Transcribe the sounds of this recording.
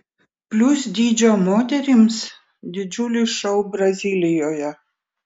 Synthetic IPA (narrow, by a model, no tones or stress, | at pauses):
pʲlʲʊsd̪ʲiːd͡ʒʲoːmoːt̪ʲɛɾʲims | d̪ʲɪd͡ʒʲʊlʲiːʃɔʊbɾɐzʲiːlʲɪjoːjɛ